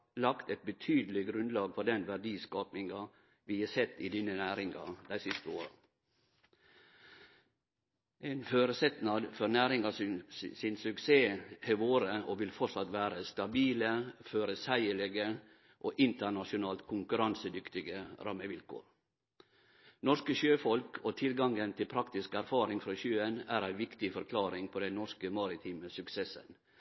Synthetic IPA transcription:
lɑkt̪ɛt̪̚bət̪ʰyːd̪əlɪɡɾʉnd̪lɑːɡfɔɖ̪ɛnʋæɖiːskɑːpnɪŋɑ | ʋɪːɛsɛt̪ːɪd̪iːnənæːɾɪŋɑ̰d̪æɪsɪst̪əoːɾɑ | ʔenføːɾəsɛt̪nɑd̪fɔɾnæːɾɪŋɑsɪnsʉkseːɛʋoːɾəoʋɪlfɔʈsɑt̪ʋæːɾəst̪ɑbiːləføːɾəsæɪəɭɛɡə | ʔoːʔɪnt̪əɳɑʂʊnɑːlt̪kʰʊŋkʉɾɑnsəd̪ʏkt̪ɪɡəɾɑmːəʋɪlkʰo̰ːɾ | nɔʂkəçøːfɔlkʰoːt̪ʰɪlɡɑŋɡənt̪ʰɪlpʰɾɑkt̪ɪskəæɾfɑːɾɪŋfɾɑçøːənæːɾæɪʋɪkt̪ɪfɔɾkʰlɑːɾɪŋpʰɔːd̪ɛnnɔʂkəmɑːɾɪt̪ʰiːməsʉksesə̰n

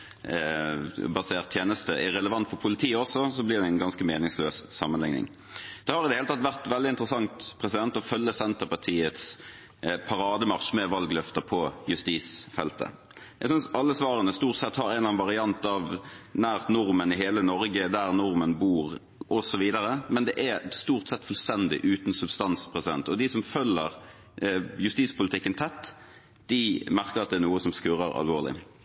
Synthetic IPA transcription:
bɑseːʁt̪ʰːjeːnəst̪əʔɛɾɛləʋɑnt̪fɔɾpʰʊlɪt̪ʰiːɔsɔsɔblɪʁd̪ɛɪnɡɑnskəmeːnɪŋsløːssɑmənlɪŋnɪ̰ŋ | d̪̥ɛhɑɾɪd̪ɛelət̪ʰɑt̪ʋæʁt̪ʋɛld̪ɪnt̪ʁəsɑŋt̪pʰʁɛsɪd̪ɛnt̪ɔfœlːəsɛnt̪əʁpɑʁt̪ʰiːət̪s | pʰɑɾɑːd̪əmɑʁʂmɛʋɑlɡlœft̪əpʰɔjʉst̪iːsfɛlt̪ə̰ | æɡsʏnsɑlːəsʋɑːɾənəst̪uːʁt̪sɛt̪hɑɾɛnlɑːnʋɑʁɪɑnt̪ɑʋnæːʁt̪nʊɾmənɪɦeːlənɔɾɡəd̪æʁnʊɾmənbuːʁ | ʔɔsɔʋiːd̪əɾəmɛnd̪ɛʔæst̪uːʁt̪sɛt̪ːfʉlst̪ɛnd̪ɪ̰ʔʉːt̪n̩sʉbst̪ɑnspʰʁɛsɪd̪ɛ̰nt̪ɔd̪ɪsɔmfœlːəʁ | jʉst̪iːspʊlɪt̪ɪkːənt̪ʰɛt̪ː | d̪̥ɪmæʁkəʁɑt̪d̪ɛæːʁnuːəsɔmskʉɾə̰ɾɑ̰lʋoːʁlɪ̰

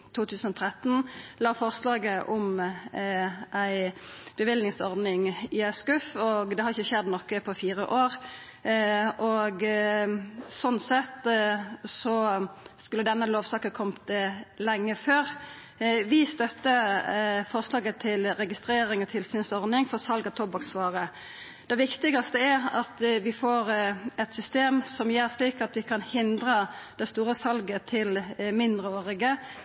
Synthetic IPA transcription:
t̪ʰuːt̪ʰʉːsn̩ɔt̪ʰʁɾɛt̪nlɑːfɔʁslɑːɡəʔɔm | ʔæɪb̥əʋɪlnɪŋsɔɾd̪nɪŋɪæskʉfɔɡd̪ɛhɑɾɪçəçɛd̪nɔkːəpʰɔfiːɾəʔoːʁ | ʔɔɡ | sɔnːsɛt̪ | sɔskʉlːəd̪ɛnːəloːʋsɑːkəkʰɔmt̪lɛŋːəføːʁ | ʋɪst̪œt̪ːə | fɔʁslɑːɡət̪ʰɪlɾɛɡɪst̪ɾeːɾɪŋɔt̪ʰɪlsyːnsɔɾnɪŋfɔʁsɑlɡɑt̪ʰɔbɑksʋɑːʁə | d̪̥ɛʋɪkt̪ɪɡɑst̪əæʁɑt̪ʋɪfoːʁɛt̪sʏst̪eːmsɔmjæːʁsliːkɑt̪ʋɪkʰɑnhɪnd̪ɾəd̪ɛst̪uːɾəsɑlɡət̪ʰɪlmɪnd̪ʁəoːʁɪɡə

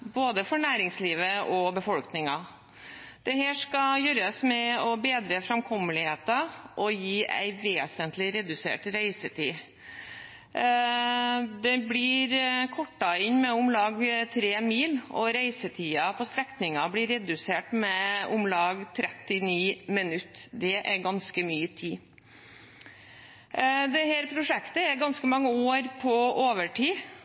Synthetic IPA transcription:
boːd̪əfɔɳæːɾɪŋsliːʋəʔɔbəfɔlknɪŋɑ | d̪̥ɛheːʂkɑjøːɾəsmɛɔbeːd̪ɾəfɾɑmkʰɔmːəlɪheːt̪ɑʔɔjiːæ̰ɪʋeːsənt̪ʰlɪɾɛd̪ʉsḛːʈɾæɪsət̪ʰiː | d̪ɛblɪɾkʰɔʈːɑɪnmɛʊmlɑːɡt̪ʰɾeːmiːlɔ̰ɾæɪsət̪ʰiːɑpʰɔst̪ɾɛknɪŋɑbɽɪɾɛd̪ʉseːʈmɛʊmlɑːɡt̪ʰɾɛt̪ːɪniːmɪnʉt̪ːd̪ɛʔæɾɡɑnskəmyːət̪ʰiː | d̪ɛhæːɾpʰɾʊʂɛkt̪əɛɾɡɑnskəmɑŋːəoːɾpʰɔʔoːʋəʈʰiː

